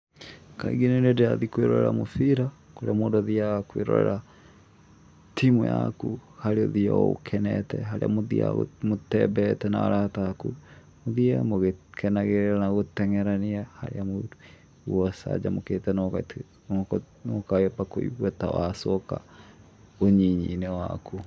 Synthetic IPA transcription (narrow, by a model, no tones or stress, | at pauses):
kaḭɡinenedeaðikweɾɔɾɛɾa̰moθiɾa | koɾeamoːdɔðiakweɾɔ̰ɾɛɾa | timujakuhaɾeɔðiao̰kʰɛnɛtɛ̰ɦaɾḛamoðia̰motɛbɛtɛnaaɾataku | moðiamoɣekʰɛnaɣeɾeɾanaɣotɛŋɛɾaniahaɾḛamo | wɔsa̰d͡ʒamoketɛnɔka | nɔkajɔpakoḭβwatawasɔka̰ | oɲiɲinɛwaku